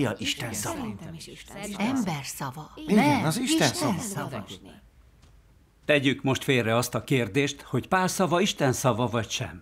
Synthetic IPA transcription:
jɒʔiʃt̪ɛnsɒvɒ | ɛmbɛrsɒvɒiɛnɒziʃt̪ɛnsɒ | t̪ɛɟykmo̞ʃt̪feːlrɛɒst̪ɒkeːrd̪eːʃt̪ho̞cpaːrsɒvɒiʃt̪ɛnsɒvɒvɒcʃɛ̰m

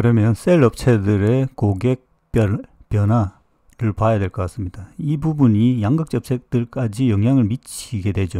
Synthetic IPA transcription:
kɯɾʌmjʌns͈ʰeɭʌp̚t͡ɕʰe̞dɯɾe̞koɡe̞k̚ | p͈ʌp͈jʌnɦa | ɾɯɭpajadwe̞ɭk͈ʌk͈as͈ɯmɲidaibubuɲijaŋɡɯk̚t͡ɕ͈ʌp̚sʰe̞k̚t͈ɯɭk͈ad͡ʑijʌŋjaŋɯɭmit͡ɕʰiɡe̞dwe̞d͡ʑo

